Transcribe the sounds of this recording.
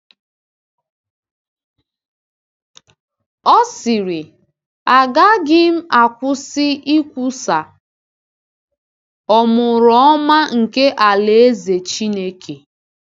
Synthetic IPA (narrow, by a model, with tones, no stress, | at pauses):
ɔ˦sɪ˨ɾɪ˨ | a˨ɡa˦ɡɪ˦m̩˦a˨kʷʊ˦sɪ˦i˦kʷu˦sa˨ | ɔ˨mʊ˨ɾɔ˨˦ɔ˦ma˦ŋ̩˨ke˦ʔa˨le˨e˦ze˨t͡ʃi˦ne˦kʰe˨